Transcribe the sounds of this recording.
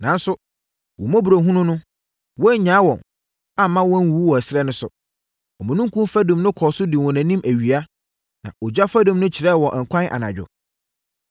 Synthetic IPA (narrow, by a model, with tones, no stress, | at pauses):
nã˨n̩˦sʊ˦ | wɔ̰˨mɔ̃˦bu˨ɾo˨ɦũ˦nʊ̃˦nʊ̃˦ | wɔ˦ɲãː˨˦wɔ̃˨n | a˦˨mã˦wɔ̃˦n˦wuː˨˦wɔ˨æ˨sɪ˦ɾɛ˦nʊ̃˦sʊ˨ | ɔ˨mʊ̃˨nũ˦ŋ˦kʰũ˦fæ˦dũ˨mnʊ̃˦kʰɔː˨sʊ˦dɪ˨wɔ̃˨næ̃˨nĩ˦mʔæ˨ɥi˨a˦ | nã̰˨ɔ˨d͡ʑᶣa˦fæ˦dʊ̃˨mnʊ̃˦t͡ɕʰɪ˨ɾɛ˦˨wɔ˨ʔŋ̩˨kʷʰã˦nʔa̰˨nã̰˨d͡ʑᶣʊ̰˨